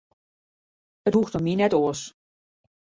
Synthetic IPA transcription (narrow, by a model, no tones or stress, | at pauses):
əthuxtəminɛtoːəs